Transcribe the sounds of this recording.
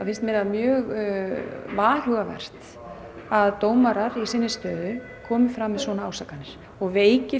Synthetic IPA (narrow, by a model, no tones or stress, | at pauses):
fɪnst̪mɪnaðmjœːɣ | vaːlʏɣavɛ̰r̥t̪ | aðt̪oːwmaɾaɾisɪnːɪst̪œːðʏ | kʰɔːmɪfɾaːmɛðsvɔːnaaːwsakanːɪɾ̥ | ɔɣveːjcɪ